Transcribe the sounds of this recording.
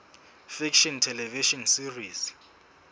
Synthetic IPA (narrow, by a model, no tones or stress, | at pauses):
fikʃɔntʰɛlɛviʃɔnsiris